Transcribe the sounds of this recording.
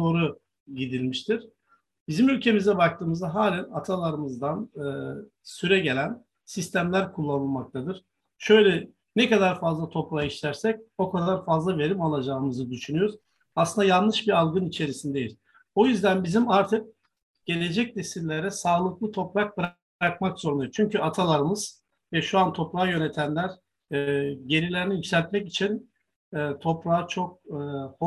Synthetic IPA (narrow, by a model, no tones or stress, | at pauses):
o̞ɾu | ɟid̪ilʲmiʃt̪ʰiɾ̥ | bizimylʲcʰe̞mizɛbakt̪ʰɯːmɯzaɦaːlʲænat̪ʰalˠaɾɯmɯzd̪anɯː | syɾɛɟe̞lʲæn | sist̪ʰæmlʲæɾkʰulˠːanɯlˠmak̚t̪ʰad̪ɯɾ̥ | ʃø̞jlʲɛ | nɛkad̪aɾfazlˠat̪ʰo̞pɾaiʃt̪ʰæɾsɛc̚o̞kʰad̪aɾfazlˠave̞ɾimalˠad͡ʒaːɯmɯzɯd̪yʃynyjoɾz | asˠɯnd̪ajanlˠɯʃbiɾalˠɡɯnit͡ʃʰe̞ɾisind̪e̞jilʲ | o̞jyzd̪ænbizimaɾt̪ʰɯk̚ | ɟ̥e̞lʲe̞d͡ʒɛc̚ne̞silʲːeɾɛsaːlˠɯklˠɯt̪ʰo̞pɾak̚bɯɾ | akmakz̥oɾund̪ajɾt͡ʃʰyɲcyat̪ʰalˠaɾɯmɯz̥ | vɛʃuant̪ʰo̞pɾajø̞ne̞t̪ʰænlʲæɾ | ɟe̞ɾilʲeɾiniicsʲælʲt̪mɛcit͡ʃʰinː | t̪ʰo̞pɾaːat͡ʃʰo̞k̚ːho